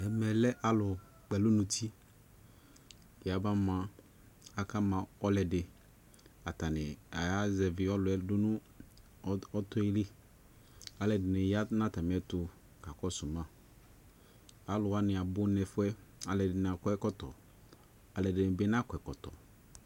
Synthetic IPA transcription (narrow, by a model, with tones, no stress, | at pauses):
ɛ˨mɛ˨lɛ˦ʔa˨lʊ˨ | k͡pɛ˨lʊ˦nʊ̃˨t̪ʰi˦ | ɪ˨a˨ba˦mã˦ | a˦ka˦mã˨ɔ˦lɛ˨dɪ˨ | a˨t̪a˨nɪ˨a˨ja˦zɛ˨vɪ˨ɔ˦lʊ˨ɛ˦dʊ˦nʊ̃˦ | ɔ˦t̪ʊ˦li˦ | a˨lɛ˨dɪ˨nɪ˨ja˦nã˦t̪a˨mɪ̃˨ɛ˦tʊ˨ | ka˨kɔ˦sʊ˨mã˦ | a˨lʊ˨a˦nɪ̃˨a˨bʊ˦nɛ˨fʊ˦ɛ˦a˨lɛ˨dɪ˨n˨a˨kɔ˦ɛ˦kɔ˦t̪ɔ˨ | a˨lɛ˨dɪ˨nɪ˨be˦n˦a˦kɔ˨ɛ˨kɔ˨t̪ɔ̰˨